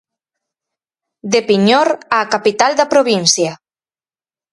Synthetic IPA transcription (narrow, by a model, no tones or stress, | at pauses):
d̪epiɲɔɾaːkapit̪ald̪apɾoβinsja